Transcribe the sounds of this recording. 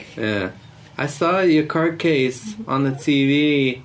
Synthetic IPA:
jæ | ʔaɪsɔjəkʰɑɹd̚kʰeɪsn̩ðɨtʰivi

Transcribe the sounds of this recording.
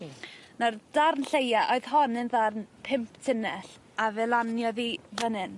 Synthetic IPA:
nard̥arnɬejaʔɔɨð̥hɔnɨnðarnpʰɪmpʰtʰɪnɛɬ | avɛlˠanjɔðivənɨn

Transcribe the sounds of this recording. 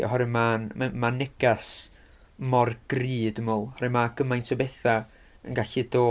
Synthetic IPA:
ɔ̰ɦɔɾɪmanmamanɛɡ̥as | mɔrɡ̥riːdəmɔlˠhɔɾɨmaɡ̥əmajntʰɔbɛθa | ə̰nɡaɬidoː

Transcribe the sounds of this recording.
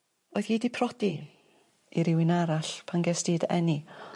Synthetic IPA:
oːðiːdipʰrɔd̥i | iɾɪwɪnaɾaɬpʰanɡɛsd̥iːdɛ̰ni

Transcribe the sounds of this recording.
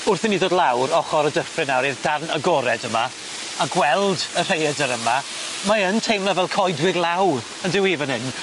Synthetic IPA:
ʊrθɪniðoːdˡlˠawɾɔχɔɾədəfrɨnawɾiːðdarnəɡɔɾɛdəma | aɡwɛlˠdər̥ejɛdəɾəma | maəntʰejmlˠavɛlˠkʰɔjdwɪɡlˠawr | əndɪwiːvənhɪn

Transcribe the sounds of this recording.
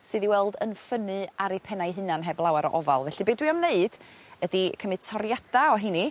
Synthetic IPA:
sɨːðiwɛlˠdənfənɨaɾipʰɛnajɦɨnanɦɛblˠawaɾɔ̰ʔɔva̰lˠvɛɬɨbeːdwiɔmneɨd̥ədikʰəmɨtʰɔɾjad̥aɔɦini

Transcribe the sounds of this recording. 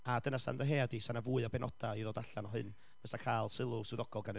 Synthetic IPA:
adənasa̰nðəɦeːadisanavuːɨɔbɛnɔ̰d̥aiðoːdaɬanɔɦɨ̰n | b̥əsakʰaːlˠsɪlˠʊsɪðɔɡ̥ɔlˠɡanə

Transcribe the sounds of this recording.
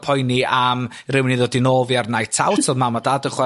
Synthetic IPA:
pʰɔjniam | rɪwniðodinoːvjarnajtʰa̰wtʰɔlˠmamadadəχwɛ

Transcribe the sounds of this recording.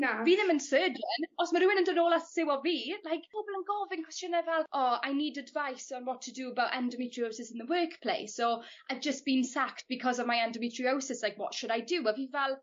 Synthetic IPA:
ab̥iðə̃mə̃nsɜːd͡ʒənɔsməɾuːɪ̃nə̃ndənoːlˠastʰə̥sewɔlvilajkobəlˠə̃nɡɔvɪ̃nkʰw̥ɛst͡ʃənəvɛlˠʔɔaɪniːdədvajsə̃nwɔtʰədəːəbawtɛ̰̃ndəmitʰɹ̥ioʊsɪsɪ̃nðəwɜːˑkpʰl̥ḛɪsoʔaɪvd͡ʒəsb̥ĩnsakt̚b̥ɪkʰɔzɔvmaɪãndəmitʰɹiosɪslaɪkwɔ̰tʃʊɾaɪduəvivɛlˠ

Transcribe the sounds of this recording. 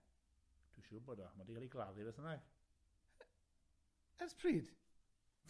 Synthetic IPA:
d̥uʃuːboːdɔmadikʰaliɡlˠaðɨvəsənaɡ | əspʰriːd̥

